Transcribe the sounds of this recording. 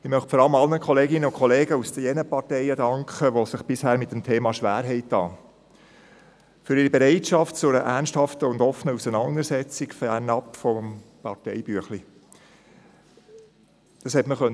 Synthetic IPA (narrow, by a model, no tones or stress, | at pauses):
ɪmœχtfɔɾɑləmɑlnəkχɔleːɡɪnːəʊnkχɔleːɡəusd̥əjɛnəpɑɾtɛɪədɑŋkχəʋosɪχb̥ɪshæːɾmɪt̚ːəmtʰeːmɑʃʋæːɾɦɛɪtːɑː | fʏɾɪɾibɛɾɛɪtʃɑft̚t͡sʊɾəʔæɾnsthɑftəʊndɔfənəusənɑnd̪əɾsɛt͡sɪkfæɾnɑpfɔmpɑɾtɛɪbyəχli | d̥ɑshɛtməχœn